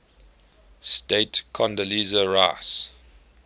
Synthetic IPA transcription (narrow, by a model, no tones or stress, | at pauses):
stetkʰɔ̃ndəlizəɹas